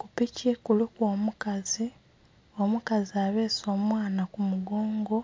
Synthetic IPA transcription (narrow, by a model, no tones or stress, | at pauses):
kupicekulukwoːmukazi | omukaziaβe̞ːso̞ːmwaːnakumuɡoːŋɡo̞